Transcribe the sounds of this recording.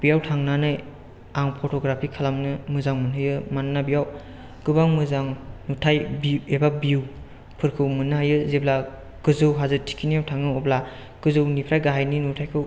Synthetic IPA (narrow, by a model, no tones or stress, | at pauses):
b̥ijawtʰaŋnanɯj | aŋpʰotʰoɡɾapʰikʰalamnɯmɯzaŋmɯnɦɯjɯmannabijaw | ɡ̥ɯbaŋmɯzaŋnutʰajbiebabiw | pʰɯɾkʰɯwmɯnhajɯzebla | ɡɯzɯwɦazɯtʰi̥kʰinijawtʰaŋɯɔbla | ɡ̥ɯzɯwnipʰɾajɡaɦajninutʰajkʰɯw